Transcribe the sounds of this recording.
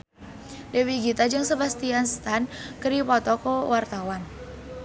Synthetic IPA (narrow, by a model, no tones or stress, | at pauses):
dewiɡit̪ad͡ʒɨŋsəbast̪ianst̪ankəɾipɔt̪ɔkəwart̪awan